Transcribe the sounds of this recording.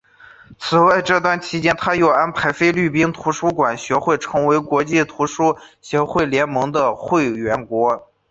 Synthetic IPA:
t͡sʰɹ̩˨˩wa˥˧ɪʈ͡ʂɤ˥˧t̪̬wa˥˩nt͡ɕʰi˧˥t͡ɕjɛ˥nt̪ʰa˥jo˨˩ʊa˥npʰa˧˥ɪfe˥ɪly˥˩p̬i˥ŋt̪ʰu˧˥ʂu˥kwa˨˩nɕɥɛ˧˥xwe˥˩ɪʈ͡ʂʰɤ˧˥ŋwe˧˥ɪkwɔ˧˥t͡ɕi˥˩t̪ʰu˧˥ʂu˥ɕɥɛ˧˥xwe˥˩ɪljɛ˧˥nmɤ˧˥ŋd̪ə˧xwe˥˩ɪɥɛ˧˥nkwɔ˧˥

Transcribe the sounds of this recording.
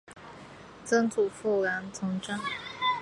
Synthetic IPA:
t͡sə˥ŋt͡su˨˩fu˥˩la˧˥nt͡sʰɤ˧˥ŋʈ͡ʂa˥˩ŋ

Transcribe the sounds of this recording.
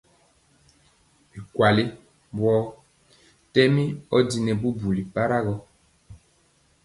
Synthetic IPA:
bi˨kwa˨li˦ | bwɔː˦ | tɛ˦mi˦ɔ˦di˨nɛ˨bu˦bu˨li˨pa˦ɾa˦ɣɔ˦

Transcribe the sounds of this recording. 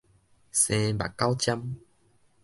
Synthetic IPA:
sẽ˧ba̰˨ka˦wt͡ɕja˦m

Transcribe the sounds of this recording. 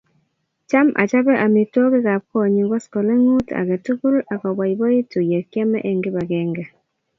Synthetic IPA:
t͡ʃa˦ma̰˨t͡ʃa˦bɛ˦ʔa˨mi˨tɔ˦kɪ˦ka˨p̚kɔ˦˨ɲi˨ŋɡɔ˦skɔ˨lɛ˦ŋu˦ta̰˨kɛ˨tu˦ku˦la˨kɔ˨ba˨jbɔ˦i˦tu˨jɛ˨kjɛ˦mɛ̰˦ʔe˨ŋɡɪ˦ba˨kɛ˨ŋɡɛ˨

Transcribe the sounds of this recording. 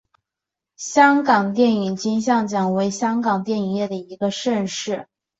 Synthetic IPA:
ɕjɑ˥ŋkɑ˨˩ŋt̪jɛ˥˩ni˨˩ŋt͡ɕi˥ŋɕ̬jɑ˥˩ŋt͡ɕjɑ˨˩ŋwe˧˥ɪɕjɑ˥ŋkɑ˨˩ŋt̪jɛ˥˩ni˨˩ŋjɛ˥˩d̪ə˩i˧˥ɡə˧ʂə˥˧nʂɻ̩˥˩

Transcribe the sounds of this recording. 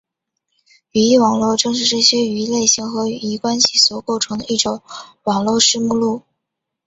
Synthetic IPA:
y˧˥i˥˩wɑ˨˩ŋlwɔ˥˧ʊʈ͡ʂɤ˥˧ŋʂɻ̩˥˧ʈ͡ʂɤ˥˩ɕjɛ˥y˧˥le˥˩ɪɕi˧˥ŋxɤ˧˥i˧˥kwa˥nɕi˨˥swɔ˨˩ko˥˩ʊʈ͡ʂʰɤ˧˥ŋd̪ə˧i˥˩ʈ͡ʂʊ˧˥˦ŋwɑ˨˩ŋlwɔ˥˧ʂɻ̩˥mu˥˧lu˥˩

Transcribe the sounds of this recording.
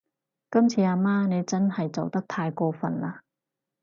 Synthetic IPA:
kɐ˥mt͡sʰiː˧aː˧maː˥ne˨˧jt͡sɐ˥nhɐ˨jt͡so˨wt̪ɐ˥k̚t̪ʰaː˧jkɔː˧fɐ̰˨nlaː˧

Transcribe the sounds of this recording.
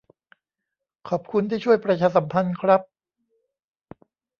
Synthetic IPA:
kʰɔː˨˩p̚kʰu˧nt̪ʰiː˥˩t͡ɕʰu˥˩əjpɾa˧t͡ɕʰaː˧˥sa˩˦mpʰa˧nkʰɾa˦˥p̚

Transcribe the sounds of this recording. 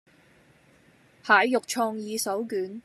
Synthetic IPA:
haː˨˧jːʊ˨k̚t͡ʃʰɔː˧ŋjiː˨˧sɐ˨˥wkyː˨˥n

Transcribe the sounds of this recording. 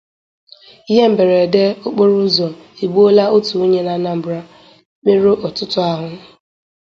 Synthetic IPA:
i˦ɦe˦m̩˨be˨ɾe˨de˦o˦k͡po˦ɾʊ˦zɔ˨i˨ɡ͡bo˦la˦o˦tu˨o˦ɲe˦la˦na˦m̩˨bɾa˦ | k͡pe˦ɾo˦ʔɔ˨tʊ˦tʊ˦a˦ɦʊ˦

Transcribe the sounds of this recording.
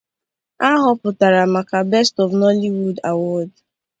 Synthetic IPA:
a˦ɦɔ˦pʊ˨ta˨ɾa˨ma˨ka˨bɛ˦stɔ˨vnɔ˦li˦wu˦da˨wɔ˦d

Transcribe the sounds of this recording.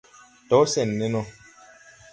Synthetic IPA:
tɔ˨˦sɛ˨nːɛ˦nɔ˦

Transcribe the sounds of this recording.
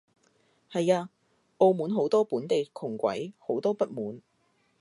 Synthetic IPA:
hɐ˨jaː˧ | ʔo˧wmuː˨˥nɦo˨˥wt̪ɔː˥puː˨˥nt̪e˨jkʰʊ˨˩ŋkʷɐ̰˨˥jho˨˥wt̪ɔː˥pɐ˥t̚muː˨˥n

